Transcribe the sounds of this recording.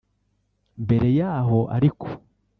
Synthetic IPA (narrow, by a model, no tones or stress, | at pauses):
mbe̞ɾe̞jaːɦo̞ʔa̰ɾikʰo̥